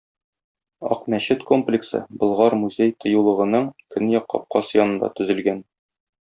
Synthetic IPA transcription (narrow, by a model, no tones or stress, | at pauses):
ɒ̰qmæɕɘt̪ko̞mplʲɪksɤ̰bɤ̆lˠʁɑɾmuzʲejt̪ʰɤ̆julˠɤ̆ʁɤ̆nɤɴkɵnjɒqːɒ̰p̚qɑsjɒnɤ̆nd̪ɑ̰t̪ɵ̆zɘ̆lɡæn